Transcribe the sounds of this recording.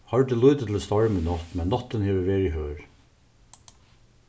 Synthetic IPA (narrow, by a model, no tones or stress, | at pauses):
hɑɹd̪eːlʉːt̪ət̪ʰl̩st̪ɑɹmənɑt̪mɛnːɑt̪ənheːʋəʋeːɾiːhøːɾ